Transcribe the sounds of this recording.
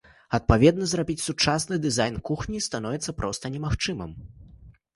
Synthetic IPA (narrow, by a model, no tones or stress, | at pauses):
ɐt̪̚pavʲɛd̪nɐzrabʲit͡sʲsut͡ʂasnɨd̪ɨzajnkuxnʲist̪anɔvʲɛt̪sːɐpɾʔɔst̪ɐnʲɛmaxt͡ʂɨmɨ̰m